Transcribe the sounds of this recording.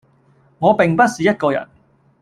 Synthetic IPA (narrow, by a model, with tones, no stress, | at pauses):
ŋɔː˨˧pɪ˨ŋpɐ˥t̚siː˨jɐ˥t̚kɔː˧jɐ̰˨˩n